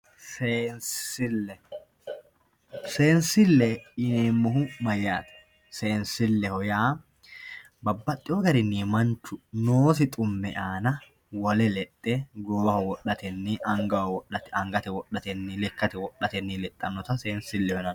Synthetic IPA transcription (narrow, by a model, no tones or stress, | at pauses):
sensɪlːɛ | se̞ːnsɪlːɛɪneːmːɔɦʊmɐjːaːt̪ɐ̥ | se̞ːnsɪlːɛhɔjaː | bɐbːɐt̪ʼːɪoɡɐɾɪnːiːmɐnt͡ʃːʊnoːsɪt̪ʼʊmːɛ̰ʔaːnɐ | wɐlɛlɛt̪ʼːeɡoːbɐhɔwɔʔɐt̪ɛnːiʔɐŋɡɐwɐwɔʔɐt̪ɛɐŋɡɐt̪ɛwɔɗːɐt̪ɛnːilɛkːɐt̪ɛwɔʔːɐt̪ɛnːilɛt̪ʼːɐnːɔt̪ɐseːnsɪlːɛhɔnɐn